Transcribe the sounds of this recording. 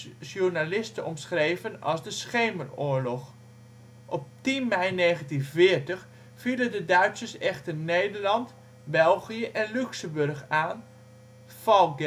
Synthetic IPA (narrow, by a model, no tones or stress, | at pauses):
sjurnalɪstəɔmsχreːvənɑ̰sdəsχeːməroːəɹlɔx | ʔɔp̚tinmɛjneːɣəntinvɪərtəx | filəndədœɥtsərsɛxtərneːdərlɑnt | bɛlˠɣijəʔɛnlyksəmbørxaːn | fɔlˠɡ